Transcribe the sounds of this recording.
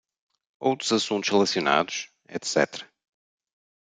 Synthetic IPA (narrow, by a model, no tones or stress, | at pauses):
owt̪ɾuzɐsũnt̪u̥ʃʁɨlˠɐsjuna̰ðuʃ | ɛ̰t̪sɛ̰t̪ɾɐ